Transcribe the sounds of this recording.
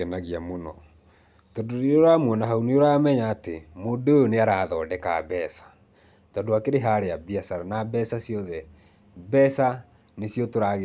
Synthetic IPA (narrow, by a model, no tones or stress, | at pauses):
ɛnaɣiamonɔ | tɔdoɾeoɾamwɔnaɦaunioɾamɛɲaːtemodojoneaɾaːðɔːdɛkaβɛsḁ | tɔndoakeɾeɦaɾeabiasaɾanabɛsasjɔðɛ | bɛsa | nesjɔtoɾaɣe